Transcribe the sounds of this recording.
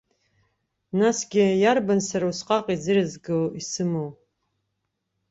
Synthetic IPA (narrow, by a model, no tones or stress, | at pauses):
nasɡʲɪjarbansaɾausqʼaqʼid͡zɨrɨzɡɨwisɨmow